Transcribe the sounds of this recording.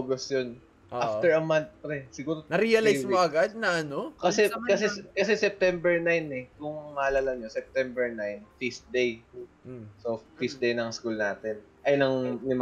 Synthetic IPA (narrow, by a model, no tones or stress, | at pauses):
ɡosjon | ʔafɛɹɐmant̪̚pɾɛsɪɡuːɾonɐɾiɐlajsmaɐɡad̪̚nɐʔɐnokɐsɛkɐsɛkɐs̬ɛsɛp̚t̪ɛmbɛɹnajnɛkʊŋːaːlalɐŋɲosɛp̚t̪ɛmbɛɹnajnfisd̪ej̩ | sofis̚d̪ejnɐŋskulnaːt̪ɛn | ʔɐjnɐŋnɪm